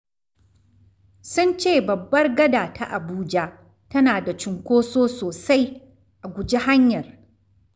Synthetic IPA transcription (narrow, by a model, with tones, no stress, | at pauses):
sʊ˦nt͡ʃeː˦˨bɐ˨bːɐ˦rɡɐ˦daː˨ta˦ʔa˨buː˦d͡ʒa˦ʔ | tɐ˦naː˨da˨t͡ʃɪ˨ŋkʷoː˦soː˦soː˨sa˦j | ʔa˨ɡʷʊ˨d͡ʒi˦ɦa˦ɲjɐ˨r